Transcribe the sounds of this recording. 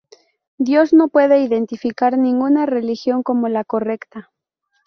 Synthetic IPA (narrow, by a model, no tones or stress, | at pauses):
d̪jo̞zno̞pwe̞ðe̞iðe̞nt̪ifikaɾnĩŋɡunare̞lixjo̞ŋko̞mo̞lako̞re̞kt̪a